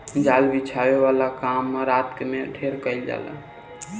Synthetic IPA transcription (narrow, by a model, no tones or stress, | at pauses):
d͡ʒalbit͡ʃʰabeβalakamːeɾat̪kemeɖʱeɾkəɪld͡ʒa̰lə̰